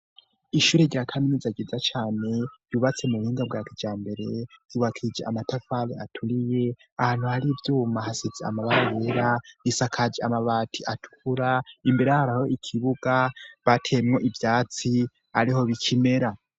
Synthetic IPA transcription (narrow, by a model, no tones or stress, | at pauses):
iʃuːɾeɟiakʰaminizaɟizat͡ʃaːne̞juːβat͡se̞muuhiːŋɡabɡaːkid͡ʒaːmbe̞ɾe̞juːβakʰid͡ʒeʔamatafaleatʰuɾije̞ | ahaːn̥huhaɾivjuːmahasezea̰maβaajeɾaisakʰad͡ʒiamaβatʰiʔatʰu̥kuɾaimbe̞ɾejahaɾaho̞ʔikʰiβuɡaβatʰemŋo̞ʔivjaːt͡si | aɾiɦo̞βikʰime̞ɾa